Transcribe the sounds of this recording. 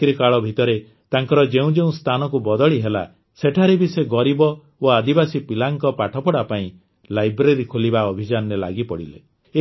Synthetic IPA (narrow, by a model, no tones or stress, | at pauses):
kɾikaɭɔbʱit̪ɔɾe | t̪aŋkɔɾɔd͡ʒeũd͡ʒeũst̪ʰanɔkubɔd̪ɔɭiɦela̰ | seʈʰaɾebiseɡɔɾibɔ | oad̪ibasipilaŋkɔpaʈʰɔpɔɽapaĩ | lajbɾeɾikʰolibaɔbʱid͡ʒanɔɾela̰ɡipɔɽilḛ